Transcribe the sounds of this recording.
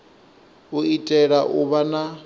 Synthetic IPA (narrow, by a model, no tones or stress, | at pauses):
uitʼɛɺaʔuβana